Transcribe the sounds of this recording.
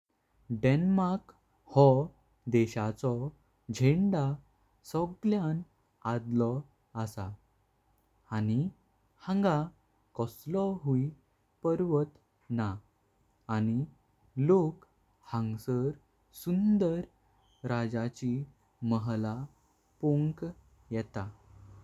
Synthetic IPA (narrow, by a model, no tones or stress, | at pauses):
ɖɛnmaɾk | hɔ | d̪ɛɕat͡sɔ | d͡ʑʱeɳɖa | sɔɡljãn | ad̪lɔ | əsa | ani | hãŋɡa | kɔslɔɦui | pəɾʋət̪ | naː | ni | lok | hãŋɡsəɾ | sund̪əɾ | ɾad͡zat͡ɕi | məɦla | poŋk | jɛt̪a